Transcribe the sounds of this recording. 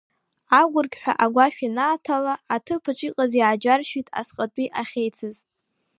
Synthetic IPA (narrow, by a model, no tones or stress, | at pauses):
aɡʷʊrɡʲħʷᶣa̰ʔaɡʷaʃᶣinaːtʰalaːtʰɨpʰɨt͡ʃʷʼiqʼazjaːd͡ʒarʃitʼa̰sqʼatʷʼiʔaχʲejt͡sʰɨz